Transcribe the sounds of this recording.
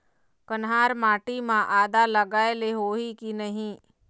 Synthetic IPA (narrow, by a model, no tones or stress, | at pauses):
kənɦaːɾmaːʈimãʔaːd̪aləɡaːeleɦoːikinɐɦĩ